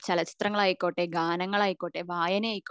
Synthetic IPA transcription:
t͡ɕɐlɐt͡ɕi̥t̪rɐŋːɐɭaːjikʲːoːʈːeːɡaːnɐŋːɐɭaːjikʲːoːʈːeːʋaːjɐneaːjikː

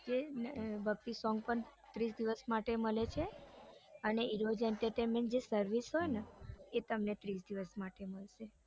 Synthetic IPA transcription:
d͡ʒebʱək̚t̪isɔŋɡ̚pəɳt̪ɾisd̪iʋəsmaʈeməlet͡ʃʰe | əneiɾod͡ʒɛɳʈəɾʈenmeɳʈ̚d͡ʒesəɾʋisɦojneet̪əmnet̪ɾisd̪iʋəsmaʈeməɭʃe

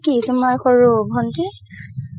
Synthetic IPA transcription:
kitumajxoɹubʱɔnti

